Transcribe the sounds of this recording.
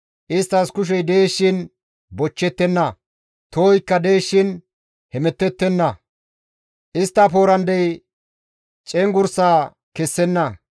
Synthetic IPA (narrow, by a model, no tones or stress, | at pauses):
ʔɪst̪ːɐskʊʃ̬ɛjd̪eːʃːɪn | bɔt͡ʃːɛt̪ːɛnːɐ | t̪oːjkːɐd̪eːʃːɪn | hɛmɛt̪ːɛt̪ːɛnːɐ | ʔɪst̪ːɐpo̞ːɾɐnd̪ɛj | t͡ʃʼɛŋɡʊɾsaː | kɛsːɛnːɐ